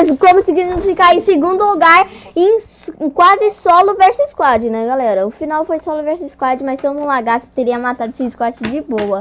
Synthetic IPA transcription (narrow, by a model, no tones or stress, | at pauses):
skõmʊsɪɡisɐ̃sfikaɾẽseɡũnd̪ʊluɡaɾẽj̃skwazɪsɔlʊvɛɾsiskwad͡ʒɪnɛɡalɛɾɐʊfinawfojsɔlʊvɛɾsiskwad͡ʒɪmassẽwnũlaɡast̪eɾiɐmat̪ad̪ʊsĩskwat͡ʃɪd͡ʒɪbowɐ